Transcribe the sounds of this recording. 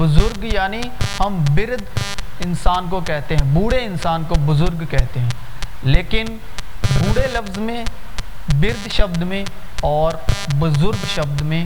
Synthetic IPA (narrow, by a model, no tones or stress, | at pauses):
bʊzʊɾɡjaːni | hɐmbɪɾd̪ɪnsaːnkokɛɦt̪eɦɛ̃buːɽeɪnsaːnkobʊzʊɾɡkɛɦt̪eɦɛ̃ː | leːkɪn | buːɽelɐfzmẽ | bɪɾd̪ʃɐbd̪mẽ | ɔːɾbʊzʊɾɡʃɐbd̪mẽː